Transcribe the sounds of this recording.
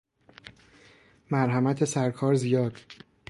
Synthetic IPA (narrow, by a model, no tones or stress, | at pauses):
mæɾɦæmæt̪ʰe̞sæɾkʰɒːɾzijɒːd̪̥